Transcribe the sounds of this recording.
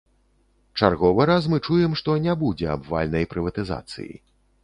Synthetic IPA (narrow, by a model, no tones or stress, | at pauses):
t͡ʂarɣɔvɨɾas̬mɨt͡ʂujɛmʂt̪ɔnʲɛbud͡zʲɛa̰bva̰lʲnɐjpɾɨvɐt̪ɨza̰t̪sɨ̰jḭ